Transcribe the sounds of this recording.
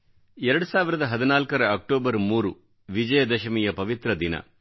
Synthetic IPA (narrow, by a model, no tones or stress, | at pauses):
ɛɾɐɽusaːʋiɾɐd̪ɐɦɐd̪inaːlkɐɾɐːk̚ʈoːbɐɾmuːɾu | ʋid͡ʒɐjɐd̪ɐʃɐmijɐpɐʋit̪ɾɐd̪inɐ̰